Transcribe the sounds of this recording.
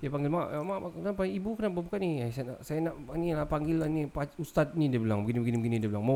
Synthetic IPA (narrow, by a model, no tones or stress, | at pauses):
japaŋɡɪlmaʔmaʔakənapaibukənaʔbəbukaniasana̰ʔsajanaʔanilapaŋɡilanipaust̪at̪̚nidəbəlaŋbəɡinibɡinibəɡinidəblaŋma